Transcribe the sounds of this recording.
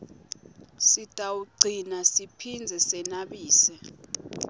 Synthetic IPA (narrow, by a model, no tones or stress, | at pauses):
sitʼawuɡ͡ǀʱinasipʰind͡zʱɛsɛnaɓiːsɛ